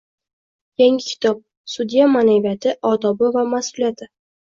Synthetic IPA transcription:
jaŋʲɪkʲʰɪ̥t̪ʰɒp̚ | sʊd̪jamanavijat̪ʰɪʔɒd̪ɒbɪvamasʊlijat̪ʰɪ

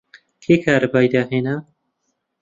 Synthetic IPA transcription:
kʰeːkʰaːɾbaːjd̪aːɦeːna

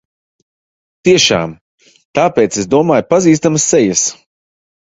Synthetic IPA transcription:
t̪iɛʃa̰ːm | t̪aːpeːt̪sesd̪uɔmaːjpaziːs̬t̪amɐsːɛjəs

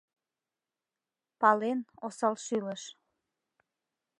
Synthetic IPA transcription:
pɑlenosɑlʃyləʃ

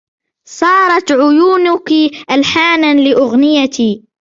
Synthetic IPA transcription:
sˤɑːɾˤɑt̪ʕʊjuːnʊkiʔalħaːnanlɪʔʊɣnɪjat̪i

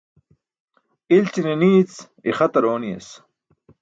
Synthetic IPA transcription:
ilt͡ɕineniːt͡s | ḭχɐt̪ɐɾoːnijḛs

